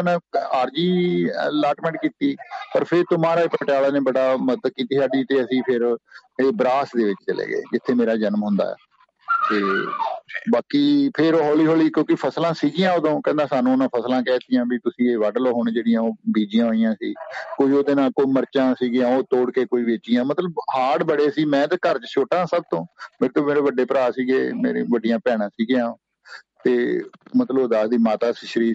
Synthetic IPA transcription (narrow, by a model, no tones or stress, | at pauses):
nãaːɾd͡ʒiːəlaːʈmɛ̃ːɳʈ̚kiːt̪iːpəɾpʰɪɾt̪ʊmaːɾaːpʈjaːlaːneːbəɽaːmət̪kiːt̪iːsaːɖiːt̪eːəsĩːpʰɪɾeːbɾaːsd̪eːʋɪt͡ʃt͡ʃəlḛːɡḛːd͡ʒɪt̪ʰːeːmeːɾaːd͡ʒənmɦʊ̃nd̪a̰ːɛ̰ː | t̪eː | baːkiːpʰɪɾoːɦoːliːɦoːliːkjõːkɪpʰəslãːsiːɡɪjãːoːd̪õːkɛ̃ːnd̪aːsaːnũːnãːpʰəslãːkɛːt̪ɪjãːbit̪ʊsĩːeːʋaːɖloːɦoːɳd͡ʒeːɽɪjãːoːbiːd͡ʒɪjãːɦoːijãːsiːkoːiːoːd̪eːnaːlkoːiːməɾt͡ʃãːsiːɡɪjãːoːt̪oːɽkeːkoːiːʋeːt͡ʃɪjãːmət̪ləbhaːɽbəɽeːsiːmɛ̃ːt̪ekəɾt͡ʃʃʰoːʈãːsəb̚t̪õːmeːɾet̪õːmeːɾeːʋəɖeːpəɾaːsiːɡḛːmḛːɾḛ̃ːʋəɖɪjãːpɛːɽ̃ãːsiːɡjãːo | t̪eːmət̪ləbod̪aːsd̪iːmaːt̪aːsɪʃəɾiː